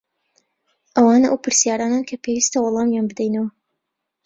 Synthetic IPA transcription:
ʔɐwɑːnɐʔɐwpʰɨɾsjaːɾaːnankʰɐpʰewist̪ɐwɑlˠɑːmjanbɨd̪ɛjnɐwɐ

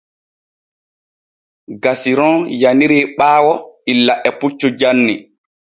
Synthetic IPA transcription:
ɡasiɾɔnjaniɾiːɓaːwɔilːaʔɛput͡ʃːɔd͡ʒanːi

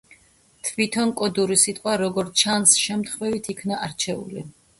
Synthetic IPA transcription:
t̪ʰvit̪ʰɔnkʼɔd̪uɾisit̪ʼqʼwaɾɔɡɔɾt͡ʃʰansʃɛmt̪χvɛvit̪ʰikʰnaʔaɾt͡ʃʰɛṵlḭ

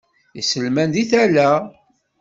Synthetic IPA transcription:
isəlmænd̪iθælæ

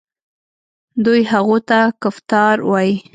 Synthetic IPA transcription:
d̪ujɦaɣot̪akʊft̪ɑɾwɑji

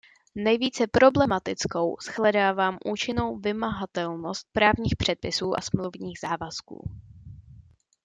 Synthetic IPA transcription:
nɛjviːt͡sɛpɾo̞blɛmat̪ɪt͡sko̞wsxlɛdaːvaːmʔuːt͡ʃɪno̞wvɪmaɦat̪ɛlno̞st̪̚pɾaːvɲiːxpr̥ɛt̪̚pɪsuːʔa̰smluwvɲiːɣz̥aːvaskṵː

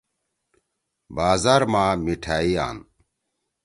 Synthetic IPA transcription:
baːzaːɾmaːmiʈʰaːia̰ːn

